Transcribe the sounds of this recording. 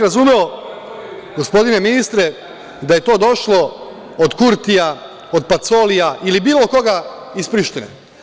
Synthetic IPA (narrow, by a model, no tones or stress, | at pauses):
ɾazume̞o | ɡo̞spo̞d̪ine̞minist̪ɾe | d̪aje̞t̪o̞ːd̪o̞ʃlo̞ | od̪kuɾt̪ija | od̪̚pat̪so̞ːlijaʔilibiːlˠo̞ko̞ɡa | ispɾiʃt̪inḛ